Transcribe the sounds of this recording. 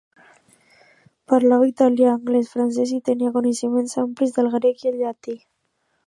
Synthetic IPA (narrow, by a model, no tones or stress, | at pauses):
paɾlawit̪aljaːŋɡlesfɾanses̬it̪eniakonesimensamplizðelɣɾekieʎːat̪i